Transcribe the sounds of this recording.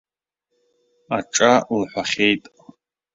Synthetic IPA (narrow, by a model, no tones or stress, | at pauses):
aʈ͡ʂʼalħʷaχʲejtʼ